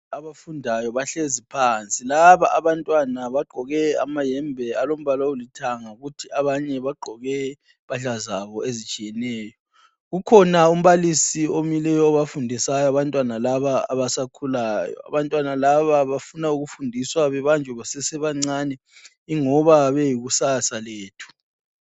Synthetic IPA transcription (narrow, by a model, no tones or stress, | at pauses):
aβafundʱajɔβaɬezipʰant͡sʼilaβaʔːβantʼwanaβaɡ͡ǃʱɔɣɛa̰majɛmbʱɛalom̩βalɔulitʰaŋauɣutʰiaβaɲɛβaɡ͡ǃʱɔɣɛ | paɮazaβɔezit͡ʃʼijɛnɛːjɔ | ɣukʰɔnaum̩βalisiomilɛjɔːβafundʱisajɔaβantʼwanalaβaːβasakʰulaːjɔ̰a̰βantʼwanalaβaβafunauɣufundʱiswaβɛβand͡ʒʱɛβasɛsɛβaŋ͡ǀanɛ | iŋɔβaβejiɣusasaleːtʰu̥